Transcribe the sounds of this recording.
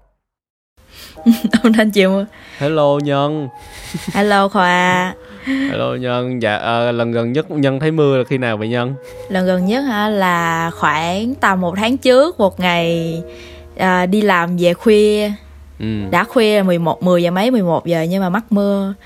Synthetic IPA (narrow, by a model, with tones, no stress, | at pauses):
ʔə˨˧wŋ͡mt̪ʰa˧nt͡ɕḭ˧˨wŋ͡mt̪ʰe˨˦lo˧ɲə˧n | haː˧lo˧xwaː˧˩˧ | lo˧ɲə˧nza̰ː˧˨˩ʔəː˨˩lə˨˩nɣə˨˩nɲə˦˥t̚ɲə˧nt̪ʰə˨˦jmɨ˧əlaː˨˩xi˧naː˨˩wvḭ˧˨ɲə˧n | lə˨˩nɣə˨˩nɲə˦˥t̚haː˧˩laː˨˩xwaː˧˩ŋt̪aː˨˩wmo˨˩t̚t̪ʰaː˨˦ŋt͡ɕɨ˦˥ək̚mo˨˩t̚ŋa˨˩j | ʔəː˨˩ɗi˧laː˨˩mve˨˩xwi˧ə | ʔɨ˨˩ɗa̰ː˧˥xwi˧əlaː˨˩mɨ˨˩əjmo˨˩t̚mɨ˨˩əjzaː˨˩mə˨˦jmɨ˨˩əjmo˨˩t̚ve˨˩ɲɨ˧maː˨˩ma˦˥k̚mɨ˧ə